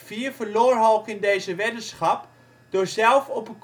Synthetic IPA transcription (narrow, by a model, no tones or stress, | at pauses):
fiːɹvəɹloːɹɦɔlˠχɪndejzəʋɛtənsχɑp | d̥ʊːɹzɛlˠfɔpək